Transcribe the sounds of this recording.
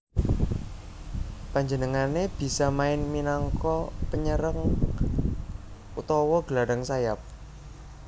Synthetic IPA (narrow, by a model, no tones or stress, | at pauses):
paɲd͡ʒənəŋaneb̥i̤samaɪnminaŋkɔpəɲəɾəŋ | ut̪ɔwɔɡ̥əlaɽaŋsajap̚